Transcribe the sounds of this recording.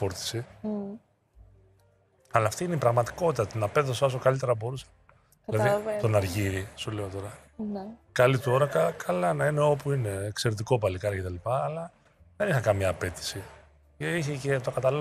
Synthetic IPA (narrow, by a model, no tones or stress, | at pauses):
fo̞ɾt̪i̥si | ɐlɐːft̪iineipɾɐɣmɐt̪i̥ko̞t̪it̪ɐt̪nɐpe̞θosɐs̬okɐlit̪e̞ɾɐbo̞ɾusɐ̥ | lɐððit̪onɐɾʝiɾisule̞o̞t̪o̞ɾɐ | nkɐlit̪o̞ɾɐkɐkʰɐlɐnɐine̞o̞puine̞ːkse̞ɾet̪̬iko̞pɐlikɐɾɐce̞t̪ɐlipɐːlɐ | ðe̞nixɐkɐmɲɐːpe̞t̪i̥si | ceiçece̞t̪okɐt̪ɐl